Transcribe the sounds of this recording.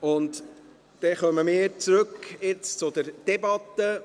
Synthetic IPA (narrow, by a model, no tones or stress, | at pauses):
ʊnt | d̥ɛχœməmɪːəɾt͡sɾɵkɪt͡st͡sʊd̪əɾd̥ɛbɑt̪ːə